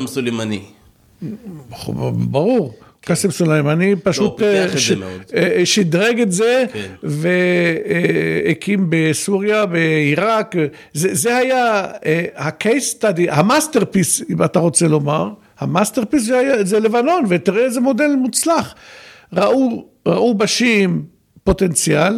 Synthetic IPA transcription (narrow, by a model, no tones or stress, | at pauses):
msulemanḭ | baʁuʁkkasemsulejmanipaʃut̪ʃo̥ʃid̪ʁeɡetze̞kve | ekimbesuʁjabeiʁak | zezehajaehakejst̪ad̪ihamast̪e̞ʁpisimat̪aʁo̞t͡se̞lo̞maʁ | hamast̪eʁpis̬zeajazelevano̞nvet̪iʁeezemo̞de̞lmut͡slaχ | ʁaʔu | ʁa̰ʔubaʃim | po̞t̪ent͡sjal